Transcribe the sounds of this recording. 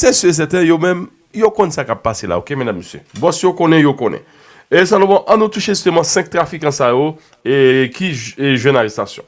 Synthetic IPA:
sɛsøs̬ɛt̪ɛ̃jomɛ̃m | jokõnɛsakapːasela̰okemɛ̃d̪amːøsjø̰bɔ̃sijokõnɛ̃jokõnɛ̰̃ | esãlɔ̃bɔ̃ʔãnut̪uʃeist̪əmãsɛ̃k̚t̪ʁafikɑ̃sajo | ekiʒwɛ̃naʁɛst̪asjɔ̰̃

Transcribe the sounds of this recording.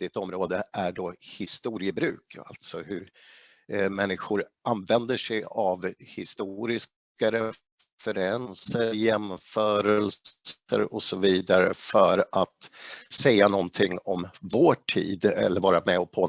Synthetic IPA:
d̪ɪt̪ɔmɾoːd̪əʔæɖɔhɪst̪uːɾɪəbɾʉ̟̰ːkʰa̰lt̪sɔhɵɾ | mɛnːɪɧʊɾʔanvɛnd̪əʂɛjavhɪst̪uɾɪs | kaɾɛ | fəɾɛnsəjɛmfœːɾələ̰ɾɔsɔviːd̪aɾə̰fœɾat̪sɛjːanɔnt̪ʰɪŋːɔmvoːʈʰḭːd̪ɛ̰lːəɾvɑːɾamɛɔpʰoː

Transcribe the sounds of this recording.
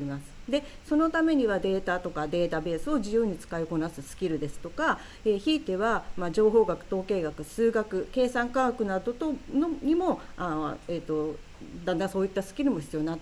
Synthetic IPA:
imasɨ̥d̪e̞ | so̞no̞t̪ame̞ɲ̟iβad̪e̞ːt̪at̪o̞kad̪e̞ːt̪abe̞ːsɨo̞ʑijɯ̟ːɲ̟it͡sɨ̥kaiko̞nasɨsɨ̥kʲiɾɯ̟d̪e̞sɨ̥t̪o̞ka | e̞ːçiːt̪e̞βamad͡ʑo̞ːɦo̞ːɡakɯ̟̥t̪o̞ːke̞ːɡakɯ̟sɨːɡakɯ̟ke̞ːsãŋkakɯ̟nad̪o̞t̪onoɲ̟imo̞aeːt̪ːo̞ | d̪ãnd̪ãso̞ːit̪ːasɨ̥kʲiɾɯ̟mo̞çi̥t͡sɨjo̞nat̪

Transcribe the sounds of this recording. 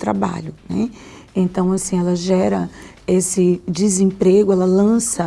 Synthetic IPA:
t̪ɾa̰ba̰ʎʊnɛ̰ | ẽnt̪ɐ̃w̃asĩɛlɐʒɛɾɐ | esɪd͡ʒɪzẽmpɾeɡʊɛlɐlɐ̃sɐ

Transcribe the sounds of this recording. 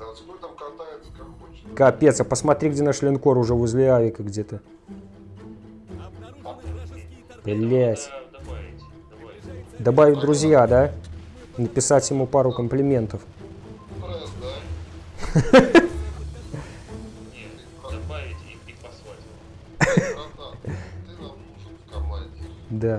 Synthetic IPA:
kɐpʲet̪səpəsmɐt̪ɾʲiɡdʲeaʂlʲɪnkoɾʊʐɛvʊzʲlʲɪavʲɪkəɡdʲet̪ɨ | plʲætʲ | d̪ɐbavʲɪd̪ɾʊzʲjad̪a | nəpʲɪsatʲjɪmupaɾʊkəmplʲɪmʲe̞nt̪əf | d̪a

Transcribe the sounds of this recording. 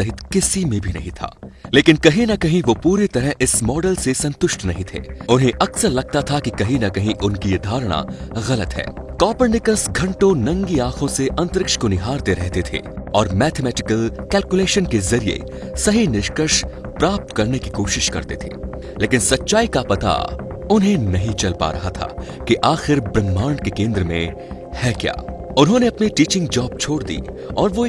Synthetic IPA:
ɐɦɪt̪kɪsimẽbʱinɐ̰ɦĩt̪ʰa̰ːleːkɪnkɐɦĩnɐkɐɦĩʋopuːɾit̪ɐɾəɦʔɪsmɔːɖəlsesɐ̃nt̪ʊʃʈnɐɦĩt̪ʰḛːʊnɦẽʔɐksəɾlɐɡ̚t̪at̪ʰakikɐɦĩnɐkɐɦĩʔʊnkijed̪ʱaːɾɽ̃a̰ɣɐlət̪ɦɛ̰ːkɔːpəɾɖɪkəsɡʱɐ̃ɳʈõnɐ̃ŋɡiaːkʰõseʔɐ̃nt̪əɾɪkʃkonɪɦaːɾd̪eɾɛɦt̪et̪ʰḛːɔːɾmɛːt̪ʰemɛːʈɪkəlkɛːlkuleːʃənkezɐɾiḛ | sɐɦinɪʃkəʃ | pɾaːp̚t̪kɐɾnekikoːʃɪʃkɐ̰ɾt̪et̪ʰḛː | leːkɪnsɐtːʃaːikapɐt̪a̰ʊnɦẽnɐɦĩt͡ʃɐlpa̰ɾɐ̰ɦat̪ʰa̰ | kiʔaːxɪɾbɾɐmːaːɳkekẽːnd̪ɾəmḛ̃ | hɛːkja̰ːʊnɦõneɐpneʈiːt͡ʃɪ̃ŋɡd͡ʒaːb̚t͡ʃʰoːɽd̪ḭː | ɔːɾʋo

